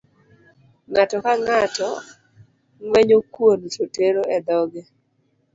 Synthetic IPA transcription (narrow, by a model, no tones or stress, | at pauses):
ŋatɔkaŋatɔ | ŋwɛɲokwont͡ʃoteɾoɛd̪ɔɡɛ